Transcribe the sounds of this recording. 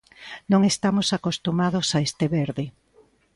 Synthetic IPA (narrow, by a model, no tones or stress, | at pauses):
nõŋest̪amosakost̪umað̞osaest̪eβeɾðɪ